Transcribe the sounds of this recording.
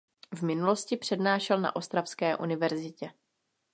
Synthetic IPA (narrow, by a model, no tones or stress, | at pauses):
vmɪnulo̞scɪpr̥ɛdnaːʃɛlna̰ʔo̞st̪ɾafskɛːʔunɪvɛɾzɪcɛ